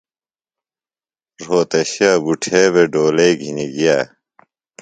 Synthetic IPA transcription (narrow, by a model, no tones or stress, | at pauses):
ɾoːt̪ɐɕaːbuʈʰeːbeɖoːleiɡʱiniɡijaː